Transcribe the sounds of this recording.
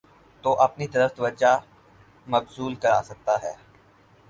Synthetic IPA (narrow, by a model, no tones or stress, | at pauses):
t̪oːʔɐpnit̪ɐɾəft̪ɐʋəd͡ʒa | mɐbsuːlkɐɾaːsɐk̚t̪aɦɛː